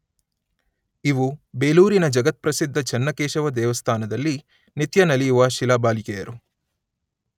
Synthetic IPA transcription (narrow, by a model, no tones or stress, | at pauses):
iʋubeːluːɾinɐd͡ʒɐɡɐt̪̚pɾɐsid̪ʱːɐt͡ʃɐnːɐkeːʃɐʋɐd̪ɛːʋɐst̪ʰaːnɐd̪ɐlːi | nit̪jɐnɐlijʋɐʃilaːbaːlikeːjɐɾu